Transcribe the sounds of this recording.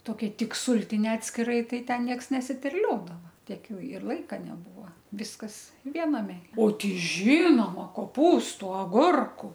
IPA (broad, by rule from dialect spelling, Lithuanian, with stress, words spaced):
toːˈkʲɛ ˈtʲɪk ˈsuːlʲtʲɪnʲɛ ɐtʲsʲkʲɪˈrɐɪ ˈtɐɪ ˈtʲɛn ˈnʲiɛks nʲɛsʲɪtʲɛrʲˈlʲoːdɐʋɐ ˈtʲiɛk ˈjɛʊ ɪr ˈlˠɐɪkɐ nʲɛˈbuːʋɐ ˈʋʲɪskɐs ˈʋʲiɛnɐmʲɛ oː ˈtʲɛɪ ˈʒʲɪnoːmɐ koːˈpuːstʊ ɐˈɡʊrkʊ